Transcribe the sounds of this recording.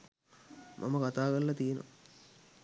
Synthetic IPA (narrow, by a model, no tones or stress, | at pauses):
mʔa̰mɐkat̪aːkɐlːɐt̪ijno̰